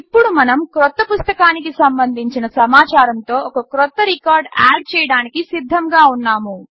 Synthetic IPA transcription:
ipːuɽumɐnɐmkɾɔt̪ːɐpust̪ɐkaːnikisɐmbɐnd̪ʱiɲt͡ʃinɐsɐmaːt͡ʃaːɾɐnt̪o̞ːɔkɐkɾɔt̪ːɐɾikaːɾɖa̰ːɖ̚t͡ʃɛːjɐɽaːnikisid̪ʱːɐmɡaːunːaːmu

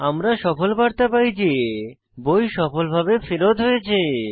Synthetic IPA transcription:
amɾaʃɔfolbaɾt̪apajd͡ʑe | bojʃɔfolbʱabefeɾot̪ɦojet͡ɕʰe

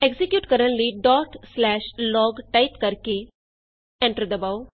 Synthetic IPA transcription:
eɡzikjuːʈkəɾənliːɖɔːʈslɛːʃlɔːɡʈaipkəɾke | ɛ̃ɳʈəɾd̪ɐbaːo

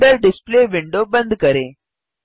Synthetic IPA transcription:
ɖɐɾɖɪspleːʋiɳɖoːbɐnd̪ɯkɐɾẽː

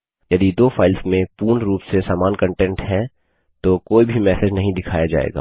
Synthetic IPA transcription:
jɐd̪id̪oːfaːɪlsmẽpuːnɾuːpsesaːmaːnkɐ̃ɳʈɛ̃ɳʈɦɛ̃ | t̪okoːibʱimɛːsed͡ʒnɐɦĩd̪ɪkʰaːjad͡ʒa̰ːḛːɡa̰ː

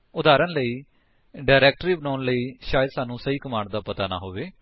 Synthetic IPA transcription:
ʊd̪aːɾənləiː | ɖaːɪɾɛːk̚ʈɾiːbənaːnləiːʃaːjəd̪saːnũːsəiːkəmãːɳɖd̪aːpət̪aːna̰ːɦoːʋeː

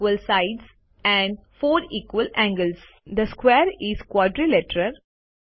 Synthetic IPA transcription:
əlsaɪɖs | ɛ̃ɳɖfoːɾiːkʋəlæ̃ŋɡəls | d̪əskweːɾizkwɔːɖɾilɛʈəɾəɾ

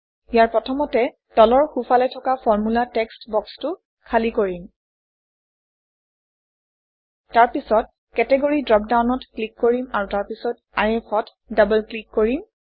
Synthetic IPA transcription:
ijaɹpɹɔtʰɔmɔtɛ | tɔlɔɹxufʰalɔjtʰɔkafɔɹmulatɛkstbɔkstʊ | kʰalikoɹim | taɹpisɔt̚ | kɛtɛɡoɹidɹɔp̚dawnɔtklikːoɹimaɹutaɹpisɔt̚ | aɹɛxɔt | dabəlklikːoɹim

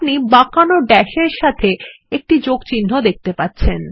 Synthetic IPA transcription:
nibakanoɖɛʃeɾʃat̪ʰe | ek̚ʈid͡ʑoɡt͡ɕinːod̪ek̚t̪epatːɕʰen

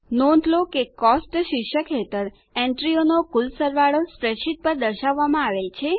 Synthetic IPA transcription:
nõnd̪lokekɔsʈʃɪkʃəkɦet̪əɾ | ɛ̃ɳʈɾionokulsəɾʋaɭospɾeʃit̪̚pəɾd̪əɾʃaʋːamãaʋet͡ʃʰe

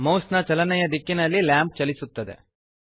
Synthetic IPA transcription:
mɐwsnɐt͡ʃɐlɐnɛjɐd̪ikːinɐlːilaːmp̚t͡ʃɐlisut̪ːɐd̪ḛ

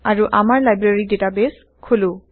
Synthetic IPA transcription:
aɹuʔamaɹlajbɹaɹidetabes | kʰolũ

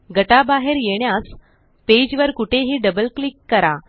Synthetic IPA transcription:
ɡəʈabaɦeɾjeɳjas | ped͡ʑʋəɾkuʈʰeɦiːɖəbəlklikːəɾa

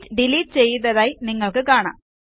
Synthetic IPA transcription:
tːɨɖiliːtɨt͡ɕe̞jːɨðɐðaːjniŋːɐɭkɨkaːɳa̰ː

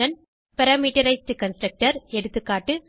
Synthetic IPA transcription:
ɐn | pɐɾaːmiːʈɐɾɐɪsʈɨkɐnsʈɾɐk̚ʈɐɾɛɽɯt̪ːɯkːaːʈːɯ

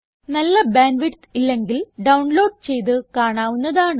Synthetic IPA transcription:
nɐlːɐbaːnʋiʈt̪ilːe̞ŋɡilɖɐwɳlo̞ːɖ̚t͡ɕe̞jt̪̬ɨkaːɳaːʋunːɐðaːɳ

